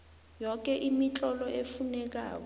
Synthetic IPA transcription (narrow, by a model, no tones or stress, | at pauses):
jɔk̬ʼɛʔimit͡ɬʼɔlɔʔefunɛk̬a̰ːk̬ɔ